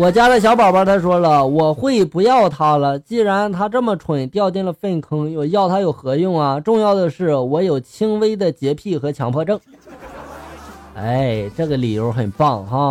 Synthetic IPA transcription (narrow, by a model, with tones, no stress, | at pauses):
wɔ˨˩t͡ɕja˥ɾə˨˩ɕ̬jɑ˧˥ʊpɑ˨˩ʊpa˞˧˥t̪ʰa˥ʂwɔ˥lə˨wɔ˨˩xwe˥˩ɪpu˧˥jɑ˥˩ʊt̪ʰa˥lə˨t͡ɕi˥˩ɻa˧˥nt̪ʰa˥ʈ͡ʂɤ˥˩mə˩ʈ͡ʂʰwə˨˩t̪jɑ˥˧ʊt̪jɛ˥˩nlə˩fə˥˩nkʰɤ˥ŋjo˥˧˩jɑ˥˩ʊt̪ʰa˥jo˨˩ʊxɤ˧˥jʊ˥˩ŋɐ˩ʈ͡ʂʊ˥˧ŋjɑ˥˩ʊd̪ə˩ʂɻ̩˥˩wɔ˧˥jo˨˩ʊt͡ɕʰi˥ŋwe˥ɪd̪ə˨t͡ɕjɛ˧˥pʰi˥˩xɤ˧˥t͡ɕʰjɑ̰˧˥ŋpʰɔ˥˧ʈ͡ʂɤ˥˩ŋ | e˥˩ɪʈ͡ʂɤ˥˩ɡə˩li˨˩jo˧˥ʊxə˨˩npɑ˥˩ŋxa˥˩